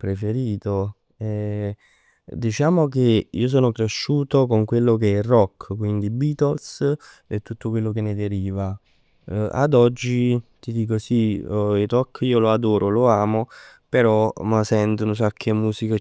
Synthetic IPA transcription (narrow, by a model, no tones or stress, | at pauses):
pɾefeɾiːt̪o | ɛ | d̪it͡ʃaːmokeiːos̬oːnokɾeʃːuːt̪okoŋkwelːokeɛrɔkːkwind̪ibiːt̪olsɛt̪ːut̪ːokwelːok̬enːed̪eɾiːva | a̰d̪ɔd͡ʒːit̪id̪iːk̬osiiɾɔkːiːoload̪oːɾʔoloaːmopeɾɔmasɛnt̪ounos̬akʰːemːuːsika